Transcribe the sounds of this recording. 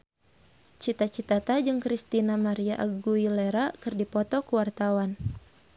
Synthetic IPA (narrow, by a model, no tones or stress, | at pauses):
t͡ʃit̪at͡ʃit̪at̪ad͡ʒɨŋkɾist̪inamaɾiaʔaɡuileɾakɨrdipɔt̪ɔkuwart̪awan